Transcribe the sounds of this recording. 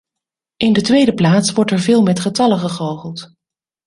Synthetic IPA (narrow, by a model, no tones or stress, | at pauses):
ʔɪndətʋejdəplaːtsʋɔɹtɛɹvɪːlˠmɛtχətɑləχəχowχəlˠt